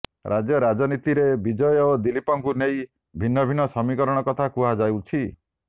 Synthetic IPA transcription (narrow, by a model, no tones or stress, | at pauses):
ɾʔad͡ʒjɔɾad͡ʒɔnit̪iɾebid͡ʒɔjɔod̪ilipɔŋkunei | bʱinːɔbʱinɔsɔmikɔɾɔɽ̃ɔkɔt̪ʰakuɦad͡ʒajwt͡ʃʰi